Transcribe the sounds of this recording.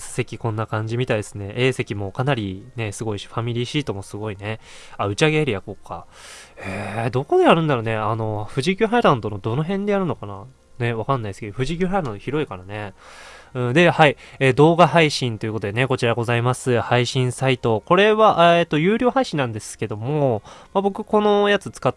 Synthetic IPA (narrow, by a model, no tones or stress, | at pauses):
sse̞kʲikõ̞nːakãɲ̟d͡ʑimʲit̪aid̪esɨne̞ʔeːse̞kʲimo̞kanaɾʲine̞sɨɡo̞iɕi̥ɸamʲiɾʲiːɕiːt̪o̞mo̞sɨɡo̞ine̞ | aɯ̟t͡ɕiaɡe̞aɾʲijakoka̰ | ed̪o̞ko̞d̪ejaɾɯ̟̃nd̪aɾone̞ano̞ɸɯ̟ʑikʲoɦaiɾãnd̪o̞nod̪o̞no̞ɦẽ̞nd̪e̞jaɾɯ̟no̞kana | ne̞βakãnːaiesɨ̥keoɸɯ̟ʑiɡʲɨ̟ɦaiɾãnoçiɾo̞ikaɾane̞ | ɯ̟̃d̪e̞haieːd̪o̞ːɡahaiɕĩnt̪o̞jɨ̟ko̞t̪od̪e̞ne̞ko̞t͡ɕiɾaɡo̞zaimasɨhaiɕĩɰ̃sait̪o̞ko̞ɾe̞βaʔet̪ːojɯːɾʲoːɦaiɕĩnãnd̪e̞sɨ̥ke̞d̪o̞mo̞mabo̞kɯ̟ko̞no̞jat͡sɨt͡sɨ̥ka